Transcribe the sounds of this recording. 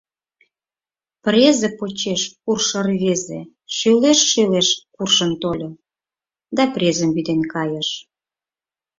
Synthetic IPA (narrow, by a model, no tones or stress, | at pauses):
prʲezepot͡ɕeʃkurʃərβezḛ | ʃøleʃːeleʃkurʃənt̪olʲɤ | d̪ɑprʲezəmbid̪enkɑjəʃ